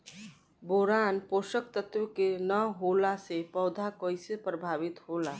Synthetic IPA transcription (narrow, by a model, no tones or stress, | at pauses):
boɾanpoʃək̚t̪ət̪wəkenəɦolasepəʊd̪ʱakəjsepɾəbʱaβit̪ɦola